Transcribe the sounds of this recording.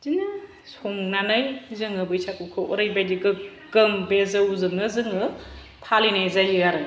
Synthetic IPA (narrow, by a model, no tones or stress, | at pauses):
z̥inɯ | soŋnanɯjzɯŋɯbɯjsʰakukʰɯʔɔ̰ɾajbajdiɡɯ | kɯŋbezɯuzɯŋnɯzɯŋɯ | pʰalinajzajijaɾɯ